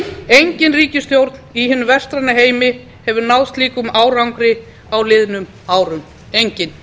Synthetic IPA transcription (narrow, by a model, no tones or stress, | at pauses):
ejɲcɪnriːcɪst̪jowɾt̪n̥iɦɪnːʏvɛr̥st̪ɾanaɦeːjmɪ | hɛvʏɾnawðst̪liːkʏmaːwrawŋkɾɪ | awlɪðnʏm | aːwɾʏm | ejɲcɪn